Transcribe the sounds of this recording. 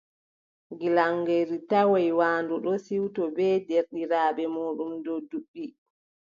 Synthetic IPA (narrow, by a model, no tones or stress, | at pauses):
ɡilaŋɡeɾitawajwaːnduɗɔsiwtɔbɛːdeɾɗiɾaːɓɛmoːɗumdɔduɓːi